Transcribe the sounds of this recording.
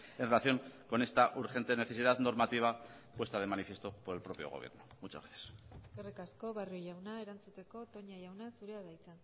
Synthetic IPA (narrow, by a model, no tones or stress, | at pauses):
enre̞laθjo̞ŋko̞ne̞st̪aʔuɾxe̞nt̪e̞ne̞θe̞siðaðno̞ɾmat̪iβ̞a | pwe̞st̪að̞e̞manifje̞st̪o̞po̞ɾe̞lpɾo̞pjo̞̰ɣ̞oβ̞jḛɾno̥mut͡ʃazɣeθjḁskerekasko̞βaruojawnae̞ɾant͡sut̪e̞ko̞t̪o̞ɲajawnasuɾeaðajt͡san